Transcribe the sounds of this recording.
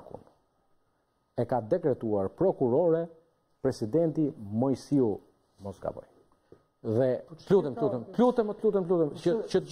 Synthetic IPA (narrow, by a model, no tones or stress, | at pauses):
kṵnd̪u | ɛkad̪ɛkɾɛt̪uaɾpɾɔkuɾɔɾɛ | pɾɛsid̪ɛnt̪imɔjsiu | mɔsɡa̰vɔ̰j | ðɛlut̪ɛmplut̪ɛmt̪lut̪ɛmət̪lut̪ɛmp̪lut̪ɛmət͡ʃə